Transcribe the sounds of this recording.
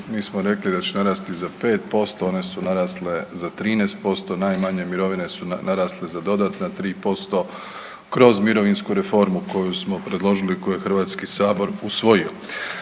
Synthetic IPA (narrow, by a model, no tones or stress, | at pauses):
miːsmo̞ɾe̞klid̪at͡ɕenaɾaːst̪izape̞ːt̪̚po̞st̪o̞o̞ne̞sunaɾaːsle̞zat̪ɾiːnest̪̚po̞st̪o̞najmaɲe̞miɾo̞ʋine̞sunaɾaːslezad̪o̞d̪aːt̪nat̪ɾiːpo̞st̪o̞ | kɾo̞zmiɾo̞ʋinskuɾe̞fo̞ɾmuko̞jusmo̞pɾe̞d̪lˠo̞ʒilikojujexr̩ʋaːt̪skisaːbo̞ɾusʋo̞jio